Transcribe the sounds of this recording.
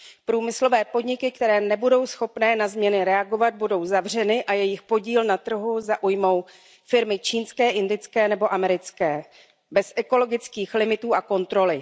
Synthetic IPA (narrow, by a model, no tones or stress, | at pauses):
pɾuːmɪslo̞vɛːpo̞dɲɪkɪk̚t̪ɛɾɛːnɛbudo̞wsxo̞pnɛːnazmɲɛnɪɾɛaɡo̞vad̪̚budo̞wzavr̝ɛnɪʔajɛjɪxpo̞ɟiːlnat̪r̩ɦuzaʔujmo̞w | fɪɾmɪt͡ʃiːnskɛːʔɪndɪt͡skɛːnɛboʔamɛɾɪt͡skɛː | bɛsʔɛko̞lo̞ɡɪt͡skiːxlɪmɪt̪uːʔako̞nt̪ɾo̞lɪ